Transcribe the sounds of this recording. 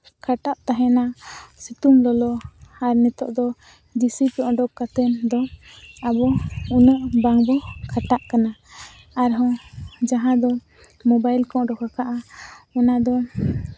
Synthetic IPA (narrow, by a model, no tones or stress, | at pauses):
kʰaʈaʔt̪aɦɛnasit̪umlɔlɔaɾnɛt̪ɔ̰ʔd̪ɔ | d͡ʒisipɔʔɔ̃ɖɔkat̪ənd̪ɔabɔunəʔbaŋbɔkʰaʈaʔkana | aɾɦɔ̃d͡ʒaɦãd̪ɔ | mɔbajlkɔ̃ʔɖɔkakaʔaɔnad̪ɔ